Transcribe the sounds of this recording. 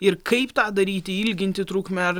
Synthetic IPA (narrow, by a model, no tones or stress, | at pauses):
ɪɾkʰɐɪpt̪ɑʕd̪ɐɾʲiːt̪ʲɪɪlʲɡʲɪnʲt̪ʲɪt̪ɾuːkmʲɛɾ